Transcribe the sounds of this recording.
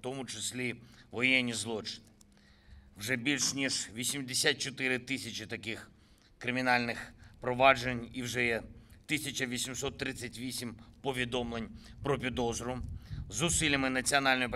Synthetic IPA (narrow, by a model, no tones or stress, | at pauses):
t̪ɔmʊt͡ʃesʲlʲiʋɔjɛnʲːizlˠɔt͡ʃɪ̥nɪ | wʒɛbʲilʲʃnʲiʒʋʲisʲimd̪esʲat̪̚t͡ʃɔt̪ɪɾɪt̪ɪsʲɐt͡ʃɪt̪ɐkɪx | kɾɪmʲinɑlʲnɪxpɾɔʋɑd͡ʒenʲiwʒɛjɛt̪ɪsʲɐt͡ʃɐʋʲisʲimsɔt̪ːɾɪt͡sʲːɐtʲʋʲisʲimpɔʋʲid̪ɔmlˠenʲpɾɔp̬ʲid̪ɔzɾʊzʊsilʲɐmɪnɐt͡sʲiɔnɑlʲnɔjip